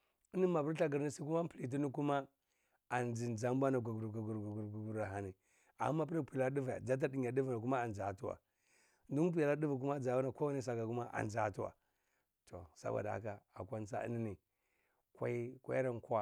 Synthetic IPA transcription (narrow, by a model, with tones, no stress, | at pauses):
i˦ni˦ma˨bu˦ɾɬa˦ɡi˨ɾni˦si˦ku˦ma˦pli˨t̬i˦ni˦ku˦ma˦ | a˨nd͡ʒi˨nd͡ʒa˦mbʷa˦na˨ɡu˨ɡu˨ɾɡu˨ɡu˨ɾɡu˨ɡu˨ɾɡu˨ɡu˨ɾa˨ɦa˨ni˨ | a̰˨˦mːa˦p̬i˦ɾa˦pu˨la˦di˦va˨ja̰˨d͡za˦t̬a˦di˨ɲ˨a˨di˦vi˨na˨ku˦ma˦a˨nd͡ʒa˨tu˦wa̰˨ | n˦du˦p̬u˦ja˨la˦di˦vi˨k̬u˦ma˦d͡za˨ba˦na˨ko˦wa˦ni˦s̬a˨ka˨ku˦ma˦ʔa̰˨nd͡ʒa˨tu˦wa̰˨ | to˨sa̰˦ba̰˨da˨a̰˨˦ka˨a˨kʷa˦nsa̰˦ni˦ni˨ | kʷa̰˦i˦kʷa̰˦i˦ɾa˦nka˦˨